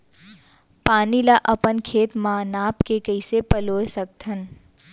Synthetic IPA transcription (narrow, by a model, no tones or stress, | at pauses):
paːnilaʔɐpənkʰeːt̪maːnaːpkekəɪsepəloːsək̚t̪ʰən